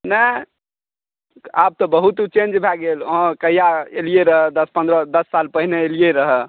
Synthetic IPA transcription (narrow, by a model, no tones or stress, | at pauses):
nə | ap̚t̪ɔbəɦut̪t͡ʃend͡ʒbʱɛɡelɦɔ̃kəijaelijeɾəɦɛd̪əspə̃nd̪ɾəd̪əsːalpəɦineelijeɾəɦɛ